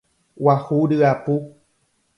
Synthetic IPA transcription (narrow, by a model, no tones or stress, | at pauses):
wahuɖɨapu